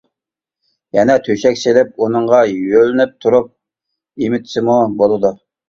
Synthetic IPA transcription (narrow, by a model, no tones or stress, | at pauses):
jɛnɛt̪ʰøʃɛkʲselɪp̚unɨɴʁɑjølɪnɪp̚t̪ʰuɾup̚ | imɪt̪ʰsɪmubolˠɨd̪u